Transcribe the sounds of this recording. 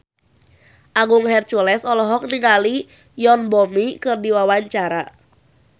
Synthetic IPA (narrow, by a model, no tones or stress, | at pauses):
ʔaŋɡuŋhɛrt͡ʃɔlɛsɔlɔɦɔk̚niŋali | jɔnbɔmikɨrdiwawaɲt͡ʃaɾa